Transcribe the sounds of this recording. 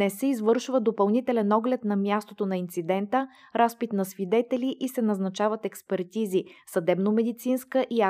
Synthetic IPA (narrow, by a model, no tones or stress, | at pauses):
nɛsɛizvɤɾʃvəd̪opɐlˠnit̪ɛlɛnɔɡlɛt̪nɐmʲjast̪ot̪onɐint̪sid̪ɛnt̪ə | ɾaspit̪nɐsvid̪ɛt̪ɛliʔisɛnɐznɐt͡ʃavət̪ɛkspɛɾt̪izisɐd̪ɛbnomɛd̪it̪sinskəʔia